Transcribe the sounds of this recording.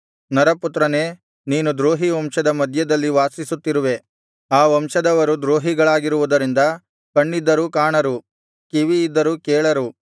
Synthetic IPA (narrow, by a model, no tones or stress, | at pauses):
nɐɾɐput̪ɾɐne̞ː | niːnud̪ɾoːɦiʋɐmʃɐd̪ɐmɐd̪ʱjɐd̪ɐlːiʋaːsisut̪ːiɾuʋe̞ | aːʋɐmʃɐd̪ɐʋɐɾud̪ɾoːɦiɡɐɭaːɡiɾuʋud̪ɐɾind̪ɐ | kɐɳːid̪ːɐɾukaːɳɐɾu | kiʋiːd̪ːɐɾukɛːɭɐɾu